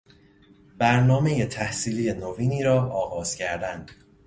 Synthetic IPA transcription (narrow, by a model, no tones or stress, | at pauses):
bæɾnɒːme̞je̞t̪ʰæhsiːlijenoviːniːɾɒːɒːɣɒːz̥cʰæɾd̪ænd̪̥